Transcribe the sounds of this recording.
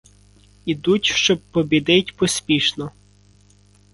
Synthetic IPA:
id̪utʲʃt͡ʃɔb̚pːɔbʲid̪ɪtʲpɔsʲpʲiʃnɔ

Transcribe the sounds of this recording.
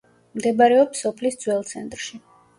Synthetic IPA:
md̪ɛbaɾɛɔpsɔpʰlisd̪z̥wɛlˠt̪sʰɛnt̪ʼɾʃi

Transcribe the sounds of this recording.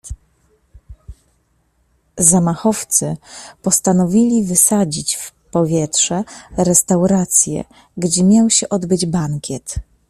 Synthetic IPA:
zamaxɔft̪sɘpɔst̪anɔvʲilʲivɘsad͡ʑit͡ɕf | pɔvʲjɛtʂɛɾɛst̪awɾat̪sʲjɛ̰ | ɡd͡ʑɛmʲjawɕɛʔɔd̪bɘd͡ʑbaŋkʲjɛt̪

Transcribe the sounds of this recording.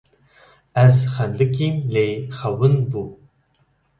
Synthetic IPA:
æzχænd̪ɨkʲimlejχɐwɨnbu

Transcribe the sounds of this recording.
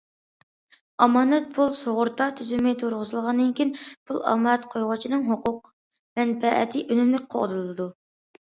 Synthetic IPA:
ɑmɑːnɛt̪̚pʰulˠsoʁʊɾt̪ɑt̪ʰyzymɪt̪ʰoɾʁʊzɨlˠʁɑnd̪ɨnkʲijinpʰulˠɑ̰mɑɛt̪qʰojʁʊt͡ʃʰinɨŋɦoqʰʊq̚ | mɛnpɛʔɛ̰t̪ʰɪʔønymlɪk̚ʲqʰo̰d̪ɨlˠɨd̪u

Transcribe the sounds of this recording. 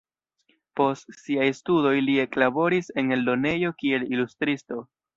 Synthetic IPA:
po̞stsiajstudo̞jlie̞klabo̞ɾise̞ne̞ldo̞ne̞jo̞kie̞lilustɾisto̞

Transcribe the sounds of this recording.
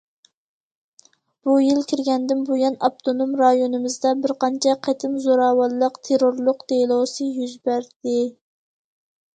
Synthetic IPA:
b̥ujilkʲʰiɾɡʲɛnd̪ɪnbujɑnɑp̚t̪ʰonomɾɑjonɨmɨzd̪ɑbɪɾqʰɑnt͡ʃʰɛqʰæt̪ʰɪmzoɾɑːwɑlˠːəqt̪ʰeɾoɾlˠʊqd̪elˠosɨjyzbæɾd̪̥ɪ

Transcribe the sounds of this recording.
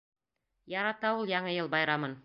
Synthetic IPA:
jɑɾɑt̪ɑulˠjɑɴɤjɤlˠbɑjɾɑmɤn

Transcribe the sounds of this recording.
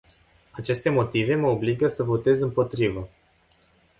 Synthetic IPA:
at͡ʃe̞st̪e̞mo̞t̪ive̞məobliɡəsəvo̞t̪e̞zɨmpo̞t̪ɾivə

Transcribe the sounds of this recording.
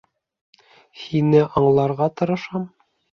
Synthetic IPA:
hinɘʔɑɴlˠɑɾʁɑt̪ɤ̆ɾɤ̆ʃɑm

